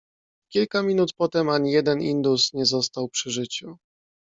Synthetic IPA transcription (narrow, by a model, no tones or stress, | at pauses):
kʲilkamʲinut̪pɔt̪ɛmaɲijɛd̪ɛnind̪usɲɛzɔst̪awpʂɘʐɘt͡ɕu